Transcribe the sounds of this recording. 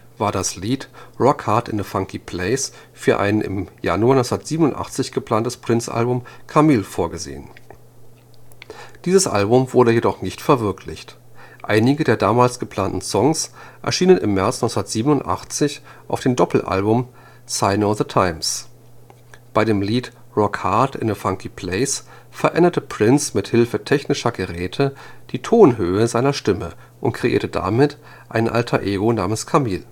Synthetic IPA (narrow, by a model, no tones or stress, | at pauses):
v̥aːɐdasliːtʁɔkʰhaɐtɪ̰nðəfaŋkʰipʰl̥ɛɪs | fyːɐʔa̰ɪnʔɪ̰mja̰nuaːnɔt͡ssndɐtz̥iːbənʊntʔa̰χt͡sɪçɡ̥əpl̥aːntəspʁ̥ɪnt͡sʔa̰lbʊmkʰamiːlfoːɐɡəzḛːən | d̥iːzəsʔa̰lbʊmvʊɐdəjedɔχnɪçtfɛɐvɪɐkʰlɪçt | ʔa̰ɪnɪɡədeːɐdaːmaːlsɡ̥əpʰl̥aːntn̩sɔŋsʔɛ̰ɐʃiːnənɪ̰mːɛɐt͡snɔʏsnɐtz̥iːbənʊntʔa̰χt͡sɪçʔaʊfd̥eːmdɔpl̩ʔa̰lbʊm | saɪnoðətʰaɪms | b̥aɪɾeːmliːt | ʁɔkhaɐtɪ̰nəfaŋkʰipʰl̥eɪs | fɛɐʔɛ̰ndɐtəpʁ̥ɪnsmɪthɪlfətʰɛçnɪʃɐɡəʁɛːtʰəd̥iːtʰoːnɦøːəzaɪnɐʃtɪmə | ʔʊntkʁ̥eʔiːɐtəda̰ːmɪt | ʔaɪnənʔa̰ltʰɐʔeːɡona̰ːmənskʰamiːl